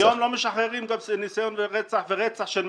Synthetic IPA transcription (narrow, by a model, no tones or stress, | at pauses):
jomlomeʃaχʁeʁimɡamsenisajonveʁɛt͡saħveʁɛt͡saħʃelm